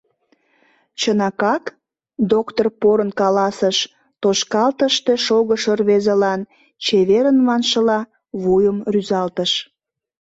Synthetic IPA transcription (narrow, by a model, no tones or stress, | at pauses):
t͡ɕənɑkɑk | d̪okt̪orpoɾənkɑlɑsəʃ | t̪oʃkɑlt̪əʃt̪eʃoɣəʃərβezelɑn | t͡ɕeβeɾənmɑnʃəlɑ | βujəmryzɑlt̪əʃ